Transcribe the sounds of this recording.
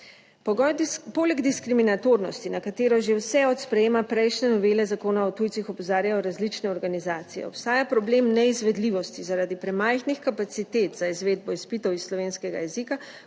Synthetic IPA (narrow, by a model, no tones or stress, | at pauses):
pɔɡɔjpoːlɛɡd̪iskɾiminat̪oːɾnɔst̪inakat̪eːɾɔʒewsɛɔt̪spɾɛjeːmapɾɛjʃnɛnɔʋelɛzakoːnaɔt̪uːjt̪sixɔpɔzaːɾjajɔɾazlit͡ʃnɛɔɾɡanizaːt̪sijɛ̰ɔpst̪aːjapɾɔbleːmnɛizʋɛd̪liːʋɔst̪izaɾaːd̪ipɾɛmajxnixkapat̪sit̪et̪z̥aizʋeːd̪̚bɔispit̪ɔwisslɔʋeːnskɛɡa̰jɛzika